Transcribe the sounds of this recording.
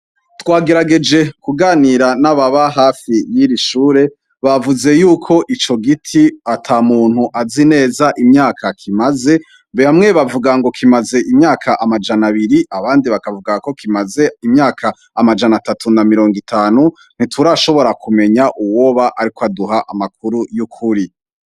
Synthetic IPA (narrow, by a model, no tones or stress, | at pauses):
twaːɡe̞ɾaɡe̞d͡ʒe̞kuɡaːniɾanaβaβaɦaːfijiɾiʃuːɾe̞ | βavuze̞juːkʰo̞ʔit͡ʃo̞ɡitʰiatʰaːmuːn̥huʔazine̞ːzaʔimɲaːkʰakʰimaze̞ | beamŋe̞βavuɡaŋɡo̞kʰimaze̞ʔimɲaːkʰaʔamad͡ʒanaβiɾiʔaβaːndiβakavuɡako̞kimaze̞imɲaːkʰaː | mad͡ʒanatatʰunamiɾo̞ːŋɡitʰaːnu | n̥itʰuɾaʃo̞βo̞ɾakume̞ɲaʔuwo̞βaʔaɾikoaduɦaʔamak̚ʰuɾujukʰuɾi